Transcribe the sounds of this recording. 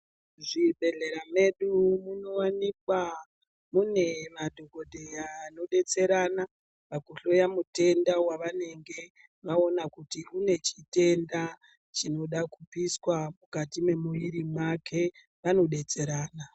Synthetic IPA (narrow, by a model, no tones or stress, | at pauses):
ʐibʱe̞ɮe̞ɾame̞ɗumuno̞wanikwa | mune̞madʱoko̞dʱe̞jano̞ɗe̞t͡se̞ɾana | pakuɬo̞jamute̞ndawaʋane̞ŋɡe̞ | ʋao̞nakutiune̞t͡ʃite̞nda | t͡ʃino̞ɗakupiswamukatime̞muiɾimwakʰe̞ | ʋano̞ɗe̞t͡se̞ɾaːna